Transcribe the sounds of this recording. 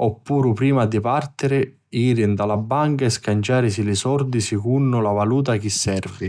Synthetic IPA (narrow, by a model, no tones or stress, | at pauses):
ɔpːuːɾʊpɾiːmad̪ipart̪ɪɾɪ | iːɾɪnd̪alabːaŋkaɛskant͡ʃaːɾɪs̬ilɪsɔrd̪isikunːʊlavaluːt̪̬ak̟isːɛrvɪ